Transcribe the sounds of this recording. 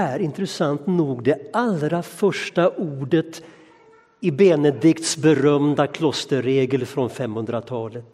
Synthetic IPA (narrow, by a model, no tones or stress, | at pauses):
æɾɪnt̪ɾəsant̪nuːɡd̪ɛalɾafœʂʈaʔuːɖət̪ | ɪbeːnəd̪ɪkt̪sbɛɾœmd̪akʰlɔst̪əɾeːɡəlfɾɔnfɛmhɵnd̪ɾat̪ʰɑːlət̪